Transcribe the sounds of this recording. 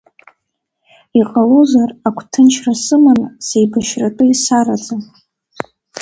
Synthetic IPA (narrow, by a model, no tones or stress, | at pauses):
iqʼalozarakʷʰtʰɨnt͡ʃʰrasɨmansejbaʃratʼɨisaɾat͡sʼa